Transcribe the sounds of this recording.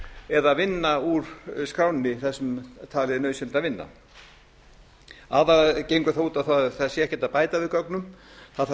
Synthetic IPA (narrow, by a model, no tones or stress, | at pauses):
ɛðaðvɪnːauɾ̥skɾaːwnnɪθɛsːʏmt̪ʰaːlɪɪnœːɥsɛnt̪aðvɪnːa̰ | aðacejŋkʏθauːt̪aθaθɛsːɪɛhcɛt̪aðpaːjt̪avɪðkœknʏmθað